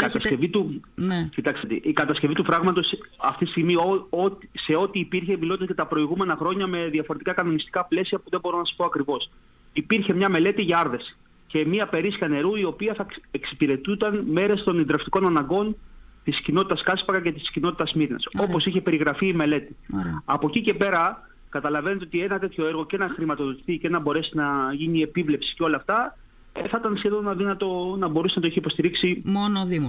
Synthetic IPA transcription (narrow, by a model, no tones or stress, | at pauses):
ikɐt̪ɐsce̞vit̪ucit̪ɐkset̪ḭʔikɐt̪ɐsce̞vit̪ufɾɐɣmɐt̪o̞sɐft̪it̪i̥st̪iɣmioot̪se̞o̞t̪iːpiɾçe̞milo̞t̪escɐt̪ɐpɾo̞iɣume̞nɐxɾo̞ɲɐme̞ðiɐfo̞ɾe̞t̪ikɐkɐno̞nist̪ikɐple̞siɐpuðe̞bo̞ɾo̞nɐspo̞ɐkɾivo̞s | ipiɾçe̞mɲɐme̞le̞t̪iʝɐɐɾðe̞si̥ | ce̞miɐpe̞ɾiskɐne̞ɾuio̞piɐθɐeksi̥piɾe̞t̪ut̪ɐnme̞ɾe̞st̪o̞nind̪ɾeft̪iko̞nɐnɐŋɡo̞nt̪iscino̞t̪i̥t̪ɐskɐspɐɣɐce̞t̪iscino̞t̪i̥t̪ɐzmiɾinɐ̰so̞po̞siçe̞pe̞ɾiɣɾɐfiːme̞le̞t̪iɐpo̞cice̞pe̞ɾɐ | kɐt̪ɐlɐvenet̪eot̪ie̞nɐt̪e̞t̪ço̞eɾɣo̞cenɐxɾimɐt̪o̞ðot̪i̥θice̞nɐbo̞ɾe̞sinɐʝinie̞pivle̞psi̥ceo̞lɐːft̪ɐ | eθɐit̪ɐnsçe̞ðo̞nɐðinɐt̪o̞nɐbo̞ɾusnɐt̪oeçipo̞st̪iɾiksimonoði